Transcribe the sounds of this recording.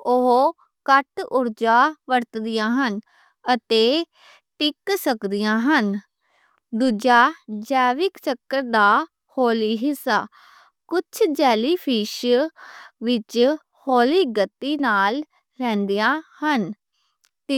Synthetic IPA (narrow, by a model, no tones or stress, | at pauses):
ʊɦ | kəʈʊɾd͡ʒaːʋəɾt̪d̪ɪjãːɦən | ət̪eː | ʈɪksəkd̪ɪjãːɦən | d̪uːd͡ʒaːd͡ʒɛːʋɪkt͡ʃəkːəɾd̪aː | hoːliːɦɪsaː | kʊt͡ʃʰd͡ʒɛːliːpʰiːʃ | ʋɪt͡ʃ | hoːliːɡət̪ːiːnaːl | ɾɛ̃ːnd̪ijãːhən | t̪